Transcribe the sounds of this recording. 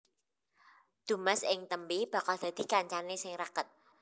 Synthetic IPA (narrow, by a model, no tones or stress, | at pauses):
d̪̥ṳmɛsʔɪŋt̪əmbib̥a̤kald̪̥a̤d̪̥i̤kaɲt͡ʃanesɪŋɾakət̪̚